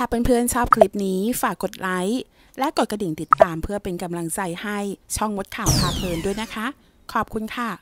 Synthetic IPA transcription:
kʰaː˨˧˩pe˧npʰɯ˥˩ənt͡ɕʰɔː˥˩p̚kʰli˦˥p̚niː˦˥faː˨˩kːo˨˩t̪̚la˦˥j | lɛ˦˥ʔko˨˩t̪̚kɾa˧di˨˩ŋt̪i˨˩t̪ːaː˧mpʰɯ˥˩əpe˧nka˧mla˧ŋt͡ɕa˧jha˥˩jt͡ɕʰɔ˥˩ŋːo˦˥t̪̚kʰaː˨˩wp̪ʰaː˧pʰɤː˧ndu˥˩əjna˦˥kʰa˦˥ | kʰɔː˨˩p̚kʰu˧nkʰa˧˥˩

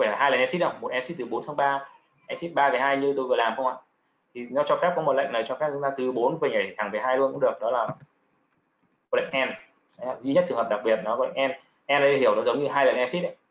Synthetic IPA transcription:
laː˨˩ɦaː˧jləː˨˩nʔɛ˧si˦˥t̚ʔə˧wŋ͡mmo˨˩t̚ʔɛ˨˧si˦˥t̚t̪ɨ˨˩ɓo˨˦nsʰa˧ŋ͡mɓaː˧ | ʔɛ˧˥si˦˥t̚ɓaː˧və˨˩jɦaː˧jɲɨ˧ɗ̪o˧jvɨ˨˩əlaː˨˩mxə˧wŋ͡ma̰ː˧˨ | t̪ʰi˨˩nɔ˨˦t͡ɕɔ˧fɛ˦˥p̚kɔ˨˦mo˨˩t̚la̰˧˨ŋ̟nə˨˩t͡ɕɔ˧fɛ˦˥zɔ˨˦ŋ͡mt̪aː˧t̪ɨ˨˩ɓo˨˦nvəː˨˩jŋə˨˩tt̪ʰaː˧˩fə˨˩jɦaː˧jlu˧ənkʊ̰˧˥ɗɨ˨˩ək̚nɔ˨˦laː˨˩ | kɔ˧˩la̰˧˨ŋʔɛ˧nː˨˦˧ | zḭ˧ɲə˦˥t͡ɕɨ˨˩ŋɦə˨˩ɗa˨˩k̚ɓi˨˩ə˩t̚nɔ˨˦kɔ˧˩la̰˧˨ŋʔɛ˧n | ʔɛ˧nɗa˨˦i˧hi˧˩əwnɔ˨˦zə˨˦wŋ͡mɲɨ˧ɦaː˧jləː˨˩nʔɛ˧si˦˥t̚ʔə˦j

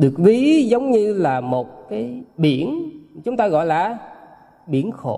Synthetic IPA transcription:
ɗɨ˨˩ək̚vi˨˦zə˨˦wŋ͡mɲɨ˧laː˨˩mo˨˩t̚kaː˨˦jɓi˧˩ənt͡ɕʊ˨˦ŋ͡mt̪aː˧ɣɔ̰˧˨jlaː˨˩ | ɓi˧˩ənxo̰˧˩˦

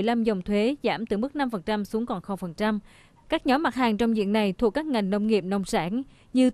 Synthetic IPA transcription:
jla˧mzə˨˩wŋ͡mt̪ʰwe˨˦zaː˧˩mt̪ɨ˨˩mɨ˦˥k̚na˧mfə˨˩nt͡ɕa˧msu˨˦əŋkɔ˨˩nxo˧˩fə˨˩nt͡ɕa˧m | kaː˦˥k̚ɲɔ˨˦mːa˨˩t̚haː˨˩ŋt͡ɕwŋ͡mzḭ˧˨ənna˨˩jt̪ʰu˨˩əkːaː˦˥k̚ŋa˨˩jŋ̟nə˧wŋ͡mŋḭ˨˩əp̚nə˧wŋ͡msa̰ː˧˥n | ɲɨ˧

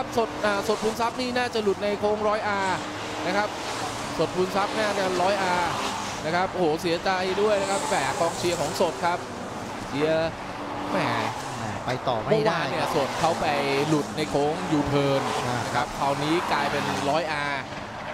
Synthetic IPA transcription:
kʰa˦˥p̚so˨˩t̪̚ʔaː˨˩so˨˩t̪̚pʰuː˧nsa˦˥p̚niː˥˩naː˥˩t͡ɕa˨˩lu˨˩t̪̚na˧jkʰoː˦˥ŋɾɔː˦˥jʔaː˧ | na˦˥kʰa˦˥p̚ | so˨˩t̪̚pʰu˧nsa˦˥p̚naː˥˩t͡ɕa˨˩ɾɔː˦˥jʔaː˧ | na˦˥kʰa˦˥p̚ʔoː˩˦si˨˩˦ɐt͡ɕ̪aː˧a˦˩du˥˩əjna˦˥kʰa˦˥ppɛː˨˩kʰɔː˧ŋt͡ɕʰi˧ɐkʰɔː˩˦ŋso˨˩t̪̚kʰa˦˥p̚ | t͡ɕʰi˨˦ɐ | mɛː˩ | a˨˩pa˧jt̪ɔː˨˩mao˧˩aː˨˧ni˥˩ɐso˨˩t̪̚kʰa˥˩wpa˧jlu˨˩t̪̚na˧jkʰoː˦˥ŋjuː˨˩t̪ʰɤː˧n˧˩a˦˥kʰa˦˥p̚kʰaː˧wniː˦˥klaː˧jpe˧nɾɔː˦˥jʔaː˧

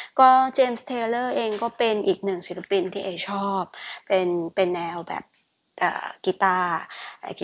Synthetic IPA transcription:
kɔː˥˩t͡ɕeː˧mst̪ʰeː˧lɤː˥˩ʔeː˧ŋkɔː˥˩pe˧nʔiː˨˩k̚nɯ˨˩ŋsi˨˦ɾʰa˧pi˧nt̪ʰiː˥˩ʔe˧˩t͡ɕʰɔː˥˩p̚ːe˧npe˧nːɛː˧wbɛ̰ː˨˩p̚ | ʔə̰ː˨˩ki˧˩t̪aː˥˩˧k

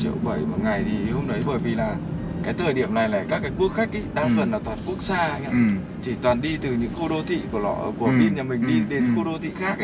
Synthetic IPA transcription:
t͡ɕḭ˧ə˨wɓəː˧˩jmə˨˩ŋa˨˩jt̪ʰi˨˩˨ho˧wŋ͡mnə˨˦jɓəː˨˩jvi˨˩laː˨˩ | kaː˨˦jt̪ʰəː˨˩jɗi˧˩əmna˨˩jlaː˨˩kaː˦˥k̚ːaː˨˦jku˦˥ək̚xa˦˥k̟̚ʔə˨˦jɗaː˧ŋfə˨˩nlaː˨˩t̪ʰwaː˨˩n̚ku˦˥ək̚saː˧a˧˦ja˧˦ | t͡ɕi˧˩t̪waː˨˩nɗi˧t̪ɨ˨˩ɲɨ̰˧˥ŋxo˧ɗo˧t̪ʰḭ˧˨ku˧˩əlɔ̰˧˩ʔku˧˩˦mi˧nɲaː˨˩mï˨˩ŋ̟ɗi˧ɗe˨˦nxo˧ɗo˧t̪ʰḭ˧˨xaː˦˥k̚

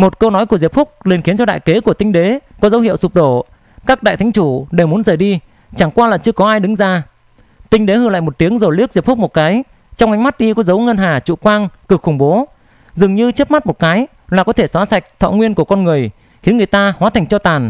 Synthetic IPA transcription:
mo˨˩t̚kə˧nɔ˨˦jku˧˩əzi˨˩p̚fʊ˦˥k͡p̚le˨˩nxi˨˦ənt͡ɕɔ˧ɗa̰ː˧˨jke˨˦ku˧˩ət̪ï˧ŋ̟ɗe˨˦kɔ˨˦zə˨˦whḭ˧əwsu˨˩p̚ɗo˧˩ | kaː˦˥k̚ɗa̰ː˧˨t̪ʰa˨˦ŋ̟t͡ɕu˧˩ɗe˨˧˩wmu˨˦ənzəː˨˩jɗi˧ | t͡ɕa˧˩ŋkwaː˧laː˨˩t͡ɕɨ˧əkɔ˨˦ʔaː˧jɗɨ˨˦ŋzaː˧ | t̪ï˧ŋɗe˨˦hɨ˧˩˨la̰ː˧˨jmo˨˩t̚t̪i˨˦əŋzo˨˩lɨ˦˥ək̚zi˨˩p̚fʊ˦˥k͡p̚mo˨˩t̚kaː˨˦j | t͡ɕɔ˧wŋ͡mʔa˨˦jŋ̟ma˦˥t̚ɗi˧kɔ˨˦zə˨˦wŋə˧nɦaː˨˩t͡ɕṵ˧˨kwaː˧ŋkɨ˨˩k̚xʊ˧˩ŋ͡mɓo˨˦ | zɨ˨˩əŋɲɨ˧t͡ɕə˦˥p̚ma˦˥t̚mo˨˩t̚kaː˨˦j | laː˨˩kɔ˨˦t̪ʰe˧˩swaː˨˦sa˨˩jk̟̚t̪ʰɔ̰˧˨ŋwi˧ənku˧˩əkɔ˧nŋɨ˨˩əj | xi˨˦ənŋɨ˨˩əjt̪aː˧hwaː˨˦t̪ʰa˨˩ŋ̟t͡ɕɔ˧t̪aː˨˩n

